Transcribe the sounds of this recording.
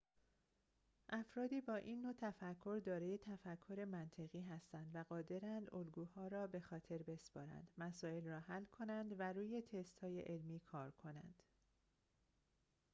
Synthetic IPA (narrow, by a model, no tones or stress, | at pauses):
ʔæfɾɒːd̪iːbɒːʔinːo̞t̪ʰæfækʰːo̞ɾd̪ɒːɾeje̞t̪ʰæfækʰːo̞ɾe̞mænt̪ʰeɣiːɦæst̪ænd̪væɣɒːd̪e̞ɾænd̪olɡuːhɒːɾɒːbe̞xɒːt̪ʰe̞ɾbe̞spɒ̰ːɾæ̰nd̪̥mæsɒːe̞lrɒːhælːkʰo̞nænd̪væɾuːje̞t̪ʰe̞st̪hɒːjḛʔelmiːkʰɒːɾkʰo̞næ̰nd̪̥